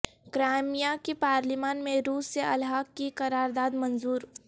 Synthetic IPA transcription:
kɾaːmijakipaːɾlimaːnmẽɾuːsːeʔɐlɦaːkkikɐɾaːɾd̪aːd̪mɐnzuːɾ

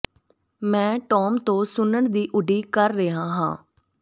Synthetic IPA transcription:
mɛ̃ːʈɔːmt̪õːsʊnəɳd̪iːʔʊɖiːkəɾːəɦãːɦã̰ː

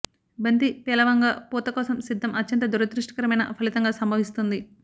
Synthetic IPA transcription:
bɐnt̪ipɛːlɐʋɐŋɡaːpuːt̪ɐkɔːsɐmsid̪ːɐmɐtːɐnt̪ɐd̪uɾɐd̪ɾuʂʈɐ̥kɐɾɐmɐjnɐ̰pʰɐlit̪ɐŋɡaːsɐmbʱɐʋist̪und̪i

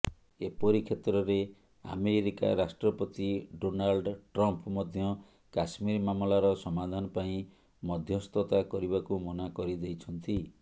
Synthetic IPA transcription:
epɔɾikʰet̪ɾɔɾe | a̰meɾika̰ɾasʈɾɔpɔt̪iɖonalɖʈɾɔmpɔmɔd̪ʱjɔ | kasmiɾmamlaɾɔsɔmad̪ʱanɔpaĩ | mɔd̪ʱjɔst̪ɔt̪akɔɾibakumɔnakɔɾid̪ejt͡ʃʰɔnt̪i

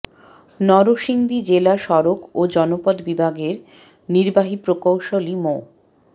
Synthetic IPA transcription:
nɔɾoʃiŋd̪id͡ʑelaʃɔɾokod͡ʑɔnopɔd̪bibʱaɡeɾ | niɾbaɦipɾokowʃolimo

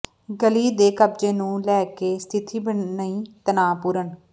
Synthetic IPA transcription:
ɡəliːd̪eːkəb̚d͡ʒeːnũːlɛːkeːst̪ʰɪt̪ʰiːbəɳnəĩːt̪ənaːpuːɾəɳ

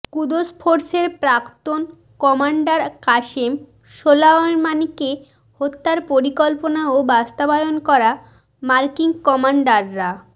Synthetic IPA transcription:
kud̪ospʰoɾseɾpɾakt̪on | kɔmaɳɖaɾkaʃem | ʃolanmanike | hot̪ːaɾpoɾikɔlponaobast̪abajonkɔɾa | maɾkiŋkɔmaɳɖaɾːa

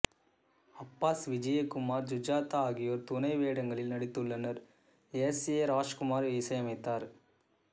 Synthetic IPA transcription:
ɐpːaːsʋɪd͡ʒɐjekʊmaːɾd͡ʒud͡ʒaːt̪ɐaːɡijoːɾt̪unɐɪʋeːɽɐŋɡɐɭilnɐɽit̪ːuɭːɐnɐɾ | eseːɾaːd͡ʒkʊmaːɾiːsɐjɐmɐjt̪ːaːɾ

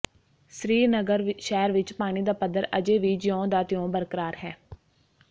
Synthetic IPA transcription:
sɾiːnəɡəɾʃɛːɾʋɪt͡ʃpaːñiːd̪aːpəd̪əɾəd͡ʒeːʋiːd͡ʒɪjõːd̪aːt̪ɪjõːbəɾkəɾaːɾɦɛː

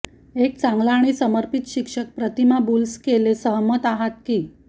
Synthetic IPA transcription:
ek̚t͡sãŋɡlaɽ̃isəməɾpit̪ɕikʂək̚pɾət̪imabulskelesəɦəmət̪aɦat̪̚kiː

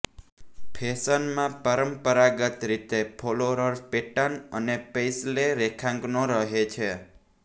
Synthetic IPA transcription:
pʰesənmãpəɾəmpəɾaɡət̪ɾit̪epʰoloɾəɾpeʈanənepejsleɾekʰãŋɡnoɾəɦet͡ʃʰe

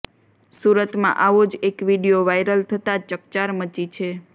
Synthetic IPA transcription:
suɾət̪mã̰ʔaʋod͡ʒekʋiɖijoʋajɾəlt̪ʰət̪at͡ʃək̚t͡ʃaɾmət͡ʃit͡ʃʰe

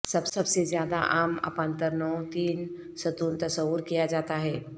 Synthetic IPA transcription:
sɐbsɐbsezjaːd̪aʔaːmɐ̰pə̃nt̪əɾnɔːt̪iːn | sɐt̪uːnt̪ɐsəwːəɾkijad͡ʒaːt̪aɦɛː

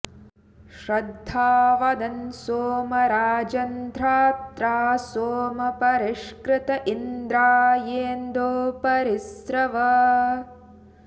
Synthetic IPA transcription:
ʃɾɐd̪ʱːaːʋɐd̪ɐnsoːmɐɾaːd͡ʒɐnd̪ʱɾaːt̪ɾaːsoːmɐpɐɾiʃkɾɪt̪ɐʔind̪ɾaːjeːnd̪oːpɐɾisɾɐʋɐ

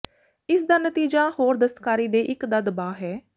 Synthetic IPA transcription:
ɪsd̪aːnət̪iːd͡ʒaːhoːɾd̪əst̪kaːɾiːd̪eːʔɪkd̪ad̪əbaːɦɛː

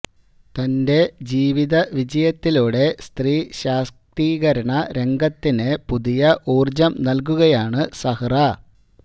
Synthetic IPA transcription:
t̪ɐnde̞d͡ʑiːʋiðɐʋid͡ʑɐjɐt̪ːiluːɽe̞st̪riːɕaːst̪iːɣɐɾɐɳɐɾe̞ŋɡɐt̪ːinɨpuðijɐʔuːrd͡ʑɐmnɐlk̬uɣɐjaːɳɨsɐhɐrɐ

